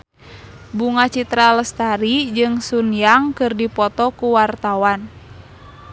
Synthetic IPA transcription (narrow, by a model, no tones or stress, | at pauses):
buŋat͡ʃit̪ɾaləst̪aɾid͡ʒɨŋsunjaŋkɨrdipɔt̪ɔkuwart̪awan